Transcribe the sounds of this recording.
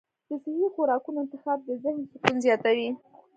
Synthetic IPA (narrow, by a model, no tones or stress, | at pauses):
d̪̥əsɪhixoɾɑkunoɪnt̪ɪxɑb̚d̪əzɪhnsɪt̪unzjɑt̪awi